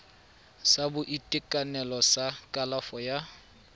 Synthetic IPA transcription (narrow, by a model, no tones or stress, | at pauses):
sabʊʔitʼɪkʼanɛlɔsakʼalafɔja